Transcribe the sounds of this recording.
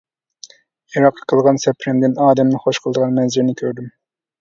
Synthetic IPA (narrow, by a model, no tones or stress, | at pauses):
iɾɑqʰːɑ̥qʰəlˠʁɑnsɛpʰɾɪmd̪ɪnɑːd̪ɛmnɨχoʃqʰəlˠd̪əʁɑnmɛnzɪɾnɪkʲʰøɾd̪ym